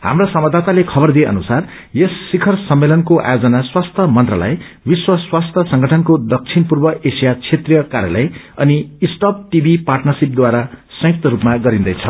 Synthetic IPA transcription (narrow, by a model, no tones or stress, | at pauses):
ha̰mrasʌmʌd̪at̪alekʰʌbʌrd̪ieʌ̰nusar | jesːikʰʌrsʌmːelʌnkoʔa̰jod͡zʌnaswast̪ʰʌmʌnt̪rʌla̰j | biswaswast̪ʰʌsʌŋɡʌʈʰʌnkod̪ʌk̚t͡sʰinpurbʌʔesijat͡sʰet̪rijʌkaɾja̰lʌj | ʌniːsʈʌp̚ʈibʱiparʈnʌrsip̚d̪waɾasʌ̃jik̚t̪ʌɾupmaɡʌɾind̪ʌjt͡sʰʌ